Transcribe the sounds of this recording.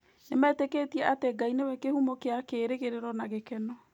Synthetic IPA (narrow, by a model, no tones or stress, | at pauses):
nemɛːtekeːtiɛʔateɡainewɛkehumokeakeːɾeɣeɾeɾɔnaɣekɛnɔ